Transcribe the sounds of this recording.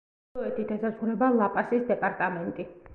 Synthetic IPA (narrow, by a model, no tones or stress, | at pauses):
ɔɛt̪ʰit̪asasχuɾɛbalˠapʼasisd̪ɛpʼaɾt̪ʼamɛnt̪ʼi